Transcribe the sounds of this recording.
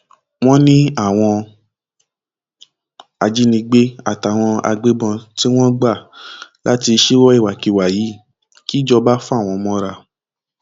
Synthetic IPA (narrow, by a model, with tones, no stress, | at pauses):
w̃ɔ̃˦nĩ˦a˦˨w̃ɔ̃˧ | a˧d͡ʒi˦nĩ˧ɡ͡be˦a̰˦˨ta˨w̃ɔ̃˧a̰˧ɡ͡be˦bɔ̃˧ti˦w̃ɔ̃˦ɡ͡ba˦˨lʔa˦ti˧ʃe˦wɔ˦i˦˨wa˨ki˨wa˨jiː˨˦ | ki˦d͡ʒɔ˧ba˦fũ˦a˦˨w̃ɔ̃˧mɔ̃˦ɾa˧